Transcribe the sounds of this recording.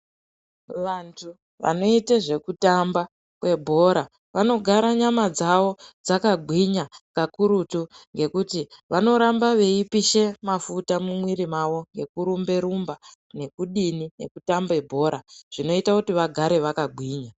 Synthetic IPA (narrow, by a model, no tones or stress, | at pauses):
ʋantʰu | ʋa̰no̞iteʐe̞kutamba | kwe̞bʱo̞ɾa | ʋano̞ɡʱaɾaɲamad͡zaʋo̞d͡zakaɡʱwiɲakakuɾutuŋɡe̞kutiʋano̞ɾambaʋe̞ipiʃe̞mafutamumwiɾimaʋo̞ŋɡe̞kuɾumbe̞ɾumba | ne̞kuɗinine̞̰kutambe̞bʱo̞ɾaʐ̥ino̞itakutiʋaɡʱaɾe̞ʋakaɡʱwiːɲa